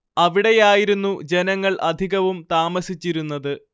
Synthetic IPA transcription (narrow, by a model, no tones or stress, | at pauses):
ɐʋiɽe̞jaːjiɾunːud͡ʑe̞nɐŋːɐɭʔɐd̪ʱiɣɐʋumt̪aːmɐsit͡ɕːiɾunːɐðɨ